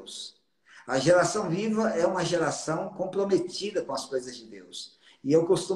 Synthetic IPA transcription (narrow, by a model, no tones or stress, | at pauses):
s | ɐʒeɾasɐ̃w̃vivɐɛũmɐʒeɾasɐ̃w̃kõpɾomet̪id̪ɐkõɐskojzɐzd͡ʒɪd̪ews | ɪewkost̪ũ